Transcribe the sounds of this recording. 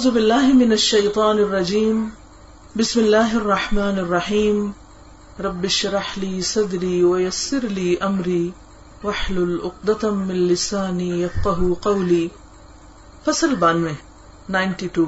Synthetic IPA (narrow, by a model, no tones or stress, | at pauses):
aʕuːzʊbɪlːaːɦɪmɪnaʃːɐjt̪ˤɑːnɪrˤːɑd͡ʒiːm | bɪsmɪlːaːɦɑrˤːɑħmaːnɑrˤːɑħiːm | ɾˤɑbːɪʃɾˤɑħliːsˤɑd̪ɾiːwajasːɪɾliːʔamɾiː | waħlʊlʔʊqd̪ɑt̪mɪnlɪsaːniːjɐfqɑɦuqɑwliː | fɐsˤalbaːnmɪ | naːjntituː